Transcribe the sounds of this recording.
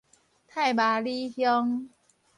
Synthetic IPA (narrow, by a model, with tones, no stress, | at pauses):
t̪ʰa˥˧˩jbaː˨˩li˦hjɔ˦ŋ